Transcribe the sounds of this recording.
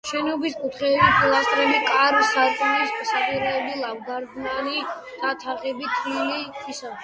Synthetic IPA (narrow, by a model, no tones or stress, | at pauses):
ʃɛnɔbiskʼut̪ʰχɛːbit̪ʰlˠast̪ʼɾɛlikʼaɾsaɾkʼɔnissakʼiɾɛːbilˠavɡaɾɡnani | d̪̥at̪ʰaχɛbit̪ʰlilit̪ʰisab